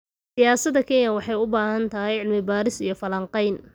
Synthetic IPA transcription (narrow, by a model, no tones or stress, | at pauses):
sɪjaːsɐd̪ɐkʰɛnjɐwɑħɑjʊbaːɦɐnt̪ʰɐɦɛjʕɪlmɪbaːɾɪsijɞfɐlɐɴqɑjn